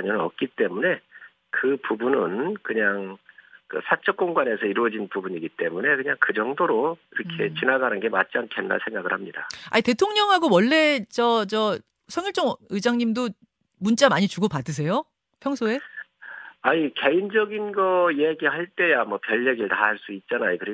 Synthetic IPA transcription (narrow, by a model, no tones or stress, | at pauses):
ɲʌnɯnʌ̰k̚k͈it͈e̞mune̞ | kɯpubunɯnkɯɲaŋkɯ̰sʰat͡ɕʰʌk͈̚oŋɡwane̞sʰʌiɾwʌd͡ʑinpubuɲiɡit͈e̞mune̞kɯɲaŋkɯd͡ʑʌŋdoɾoiɾʌkʰe̞t͡ɕinaɡanɯnɡe̞mat̚t͡ɕ͈iankʰenːa̰ɭsʰe̞ŋɡaɡɯɭhamɲida̰a̰ite̞tʰoŋɲʌŋɦaɡowʌɭːe̞t͡ɕʌt͡ɕʌ | sʰʌŋiɭt͡ɕ͈ʌŋɯd͡ʑaŋɲimdo | munt͡ɕ͈amaɲit͡ɕuɡopadɯs̬ʰe̞jo | pʰjʌŋsʰoe̞ | aike̞ind͡ʑʌɡinɡʌieɡiɦaɭt͈e̞jamwʌpjʌʎːeɡiɭtaɦaɭs͈uit̚t͡ɕ͈anajokɯɾe